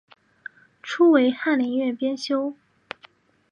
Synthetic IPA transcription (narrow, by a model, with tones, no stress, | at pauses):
ʈ͡ʂʰu˥we˧˥ɪxa˥˩nli˧˥ŋɥɛ˥˩pjɛ˥nɕjo˥ʊ